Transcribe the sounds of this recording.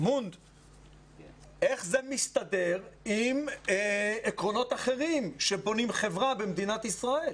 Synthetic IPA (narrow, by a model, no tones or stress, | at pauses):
mund̪ | ʔe̞χzemist̪ad̪e̞ʁim | ekʁo̞no̞t̪aχe̞ʁimʃe̞bo̞nimχe̞vʁabemd̪inat̪isʁae̞l